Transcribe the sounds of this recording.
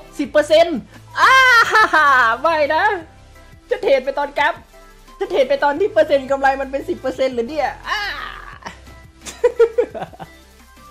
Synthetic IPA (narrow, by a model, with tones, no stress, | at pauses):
si˨˩pːɤː˧se˧nʔaː˧˩ha˧˩ha˧˩ma˧˥˩jna˦˥ | t͡ɕʰa˦˥t̪̚heː˨˩n̚pa˧jt̪ɔː˧nka˦˥p̚ | t͡ɕʰa˧˥t̪̚heː˨˩npa˧jt̪ɔː˧nt̪ʰi˧˥˩pɤː˧se˧n˧ka˧mla˧jma˧npe˧nsi˨˩pːɤː˧se˧nlɯː˨˩˦ni˦˧˩ɐʔaː˧˩